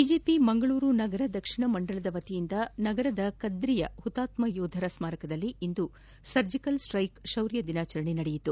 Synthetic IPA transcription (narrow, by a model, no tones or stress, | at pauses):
bid͡ʒeːpimɐŋɡɐɭuːɾunɐɡɐɾɐd̪ɐkʂiɳɐmɐɳɖɐɭɐd̪ɐʋɐt̪ijind̪ɐnɐɡɐɾɐd̪ɐkɐd̪ɾijɐ̰hut̪aːt̪mɐjɔːd̪ʱɐɾɐsmaːɾɐkɐd̪ɐlːiind̪u | sɐɾd͡ʒikɐlsʈɾɐjkʃɐwɾjɐd̪inaːt͡ʃɐɾɐɳinɐɽejit̪u